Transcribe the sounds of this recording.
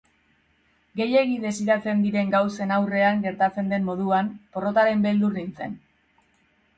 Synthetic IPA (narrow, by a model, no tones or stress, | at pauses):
ɡe̞je̞ɣiðe̞siɾat͡se̞nd̪iɾe̞ŋɡawse̞nawre̞aŋɡe̞ɾt̪at͡se̞nd̪e̞mːo̞ð̞uanpo̞ro̞t̪aɾe̞mbe̞ld̪urint͡se̞̰n